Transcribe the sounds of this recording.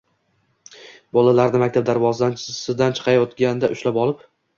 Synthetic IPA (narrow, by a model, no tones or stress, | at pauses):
bɒlalaɾnɪmak̚ʲt̪ʰap̚d̪aɾvɒzd̪ansɪzd̪ant͡ʃʰɨ̥qʰɑjɒt̪ɡʲand̪aʔʊʃlapɒlˠɪp